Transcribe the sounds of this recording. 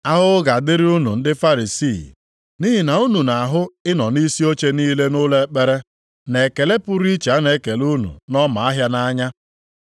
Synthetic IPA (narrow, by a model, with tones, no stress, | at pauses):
a˦ɦʊ˦ɡa˨dɪ˦ɾi˦u˦nṵ˨n̩˦dɪ˦fa˦ɾi˨si˦˨ | ni˦ɦi˨na˨u˦nu˨na˨ɦʊ˦ɪ˦nɔ˨ni˦si˦o˦t͡ʃe˦niː˦le˦nʊ˦le˦k͡pe˦ɾe˦ | ne˨ke˨le˦pʊ˦ɾi˦t͡ʃa˨˦ne˨˦ke˨lu˦nṵ˨nɔ˦ma˨a˦ɦja˦na˦ɲa˦